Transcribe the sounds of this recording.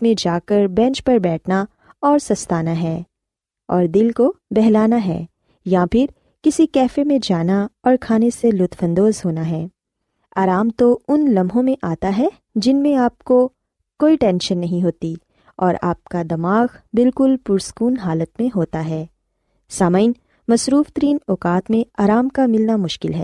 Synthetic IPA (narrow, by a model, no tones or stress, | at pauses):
mẽd͡ʒaːkɐɾbɛ̃ːnt͡ʃpɐɾbɛːʈʰna | ɔːɾsɐst̪aːnaɦɛː | ɔːɾd̪ɪlkobɛɦlaːnaɦɛ̰ː | jãpʰɪɾ | kɪsikɛːfemẽd͡ʒaːnaɔːɾkʰaːneselʊt̪fə̃nd̪oːzɦoːnaɦɛː | aːɾaːmt̪oʊnlɐ̃mɦõmẽʔaːt̪aɦɛ | d͡ʒɪnmẽaːp̚ko | koːiʈɛ̃ːnʃənːɐɦĩɦoːt̪i | ɔːɾa̰ːp̚kad̪ɐmaːɣbɪlkʊlpʊɾskuːnɦaːlət̪mẽɦoːt̪aɦɛː | saːmaːɪn | mɐsɾuːft̪əɾiːnɔːkaːt̪mẽaːɾaːmkamɪlnamʊʃkɪlɦɛ̰ː